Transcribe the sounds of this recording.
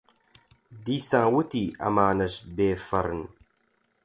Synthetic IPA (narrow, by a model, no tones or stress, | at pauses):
disãːwutiʔa̰maːnəʃbeːfɐɾən